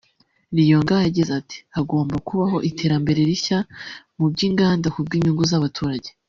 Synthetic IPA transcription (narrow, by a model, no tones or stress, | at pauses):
ɾijo̞ːŋɡahaɟizati̥haɡo̞ːmbakuβaɦo̞ʔitʰe̞ːɾambe̞ɾe̞ɾiçamub̚ɟiːŋɡaːndakub̚ɡiːɲuŋɡuzaβatʰuːɾaɟe